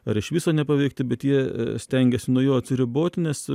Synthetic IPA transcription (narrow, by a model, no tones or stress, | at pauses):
ɐɾɪʃʋʲiːsɐːnʲɛpɐʋʲɛɪk̚t̪ʲɪbʲɛt̪jiɛ̰sʲt̪ʲɛŋʲɡʲɛsʲɪnuɔjoːɐt̪ʲsʲɪɾʲɪboːt̪ʲɪnʲɛs